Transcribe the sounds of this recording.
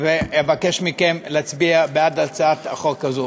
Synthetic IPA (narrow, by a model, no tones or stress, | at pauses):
veebakeʃmikemleat͡sbiabeadalt͡saat̪aχoʁkazo